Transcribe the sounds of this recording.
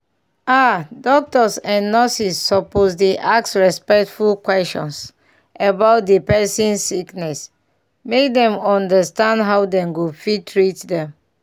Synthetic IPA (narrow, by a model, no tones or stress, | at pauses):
adɔk̚tɔsɛ̃nːɔsisːɔpos̬deʔaksɹɛspɛk̚tfulkwɛstɔ̰̃ns | əbaʊt̚depɛsĩnːiknɛs | mek̚dɛ̃mɔ̃ndəstãndɦawdɛ̃nɡufitʰɹitdɛ̃m